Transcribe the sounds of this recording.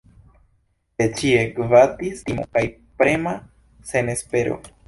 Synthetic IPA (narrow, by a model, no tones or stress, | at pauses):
et͡ʃiekvatistimo̰kaj | pɾe̞ma | se̞ne̞spe̞ɾo̞̰